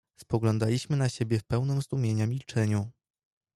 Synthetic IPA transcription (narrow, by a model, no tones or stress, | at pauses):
spɔɡlɔnd̪alʲiɕmɘnaɕebʲjɛfpɛwnɘmzd̪umʲjeɲamʲilt͡ʂɛɲu